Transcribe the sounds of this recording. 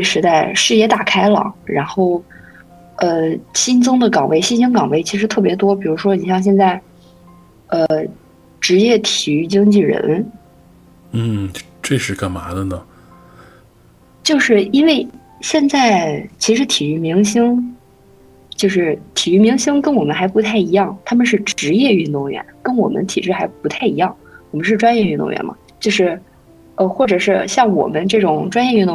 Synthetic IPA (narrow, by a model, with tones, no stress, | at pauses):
we˥˩ɪʂɻ̩˧˥t̪a˥˩ɪʂɻ̩˥˧jɛ˥˩t̪a˨˩kʰa˥ɪlə̰˩ɻa˧˥nxo˥˩ʊ | ə˧ɕi˥nt͡sɤ˥ŋd̪ə˨kɑ˨˩ŋwʔe˧˥˩ɪɕi˥nɕi˥ŋkɑ˨˩ŋwe˧˥˩ɪt͡ɕʰi˧˥ʂɻ̩˧˥t̪ʰɤ˥˩pjɛ˧˥t̪wɔ˥p̬i˨˩ɻu˧˥ʂwɔ˥ni˨˩ɕjɑ˥˧ŋɕ̬jɛ˥˧nt͡sa˥˩ɪ | ə˧ | ʈ͡ʂɻ̩˧˥jɛ˥˩t̪ʰi˨˩y˧˥t͡ɕi˥ŋt͡ɕi˥˩ɻə̰˧˥n | n̩˥˩ | ʈ͡ʂwe˥˧ɪʂɻ̩˥˧ka˨˩nma˧˥d̪ə˧nə˩ | t͡ɕjo˥˧ʊʂɻ̩˥˩i˥nwe˥˩ɪ | ɕjɛ˥˧nt͡sa˥˩ɪt͡ɕʰi˧˥ʂɻ̩˧˥t̪ʰi˨˩y˧˥˩mi˧˥ŋɕi˥ŋ | t͡ɕjo˥˧ʊʂɻ̩˥˩t̪ʰi˨˩y˧˥mi˧˥ŋɕi˥ŋkə˥nwɔ˨˩mə˦nxa˧˥ɪpu˧˥t̪ʰa˥˩ɪi˧˥jɑ˥˩ŋt̪ʰa˥mə˨˧ʂ̬ɻ̩˥˩ʈ͡ʂɻ̩˧˥jɛ˥˧y˥˧nt̪ʊ˥˩ŋɥɛ̰˧˥nkə˥nwɔ˨˩mə̰˦nt̪ʰi˨˩ʈ͡ʂɻ̩˥˩xa˧˥ɪpu˧˥t̪ʰa˥˩ɪi˧˥jɑ˥˩ŋwɔ˨˩mə˦ʂɻ̩˥˩˧ʈ͡ʂwa˥njɛ˥˧y˥˧nt̪ʊ̰˥˩ŋɥɛ̰˧˥nmɐ̰˩t͡ɕjo˥˧ʊʂɻ̩˥˩ | ə˧xwɔ˥˩ʈ͡ʂɤ˨˩ʂɻ̩˥˩ɕjɑ˥˩ŋwɔ̰˨˩mə˦nʈ͡ʂɤ˥˩ʈ͡ʂʊ˨˩ŋʈ͡ʂwa˥njɛ˥˧y˥˩nt̪ʊ˥˧